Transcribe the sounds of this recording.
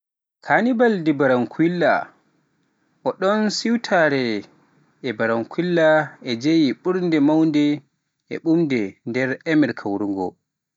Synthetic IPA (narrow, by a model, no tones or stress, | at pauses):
kʰanibaldibaɾaŋkʰilːa̰ | ʔɔɗɔnsiwtʰaɾɛ | ʔɛbaɾaŋkʰilːaɛd͡ʒejiɓuɾndɛmawndɛ | ʔɛ̰ɓumdɛndɛɾɛmɛɾkʰawɾuŋɡɔ̰